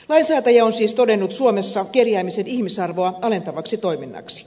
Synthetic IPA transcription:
lɑinsæːt̪ɑjɑonsiːst̪odenːut̪suomesːɑkerjæːmisenihmisɑrʋoɑɑle̞nt̪ɑʋɑksit̪o̞jminːɑ̰ksi̥

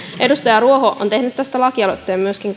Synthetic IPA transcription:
ʔe̞dust̪ɑjɑruoɦoʔo̰nt̪e̞hnyt̪t̪æst̪ælɑkiɑlo̰t̪ːeːmmyøskiŋ

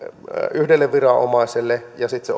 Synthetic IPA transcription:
yhdelːeʋʋirɑo̰mɑˑiselːejɑsit̪se

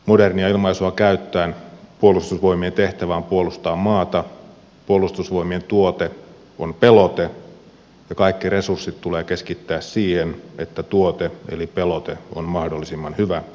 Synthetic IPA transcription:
moderniɑilmɑisuɑkæyt̪ːæːnpuolˑust̪usʋo̞imient̪eht̪æʋæːmpuolust̪ɑːmmɑːt̪ɑ | puolːˑust̪usʋo̞imient̪uot̪e | onpe̞lot̪e | jɑkɑikːiresursːit̪tuleːkeskit̪ːæːssiːhene̞t̪ːæt̪uot̪eḛlipelot̪eo̰nmɑhdolːisimːɑnhyʋæ

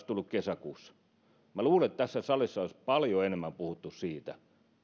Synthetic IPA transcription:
st̪ulːukkesækuːsːɑ̥ | mæluːleet̪t̪æsːæsɑlisːɑoispɑljoenemːæmpuhut̪ːussiːt̪æ̰

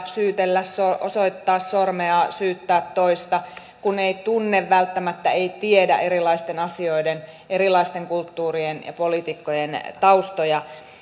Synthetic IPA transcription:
syːt̪elːæssoʔosoit̪ːɑːssormeɑsyːt̪ːæːt̪toist̪ɑ | kuneit̪unːeʋʋælt̪ːæmæt̪ːæeit̪iedæ̰ʔeɾilɑist̪enɑsioiden | ʔeɾilˑɑist̪eŋkult̪ːuːrienjɑ̰polit̪ikːojent̪ɑust̪ojɑ

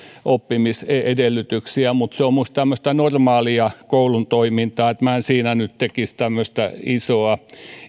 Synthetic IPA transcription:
ʔopːimiseedelːyt̪yksiæmut̪seommust̪æmːøst̪ɑnormɑːliɑkoulunt̪oimint̪ɑːet̪mænsiːnænytt̪ekist̪æmːøst̪æ̰isoɑ

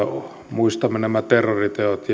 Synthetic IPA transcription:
muist̪ɑmenemæt̪erːorit̪eot̪j

